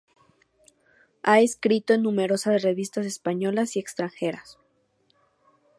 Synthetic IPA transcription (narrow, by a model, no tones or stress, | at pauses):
ae̞skɾit̪oenːũme̞ɾo̞saðre̞βist̪ase̞spaɲo̞lasie̞kst̪ɾaŋxe̞ɾas